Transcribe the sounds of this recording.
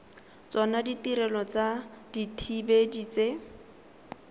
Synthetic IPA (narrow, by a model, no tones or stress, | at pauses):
t͡sɔnaditiɾɛlɔt͡saditʰibediːt͡se